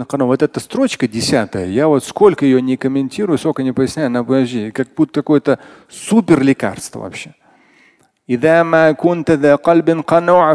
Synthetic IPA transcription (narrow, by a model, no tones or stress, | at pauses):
qɑnovot̪ɛt̪əst̪ɾo̞t͡ɕkədʲɪsʲat̪əjə̰javo̞t̪sko̞lʲkəjɪjonʲɪkəmʲɪnʲtʲiɾʊjʊsko̞lʲkənʲɪpəjɪsʲnʲæjʊnɐpʒʲikak̚but̪kɐko̞jət̪ə | supʲɪrlʲɪka̰rst̪və̰vɐ̰pɕːe̞ | ɪðamakunt̪ðaqɑlbɪnqɑnuʕ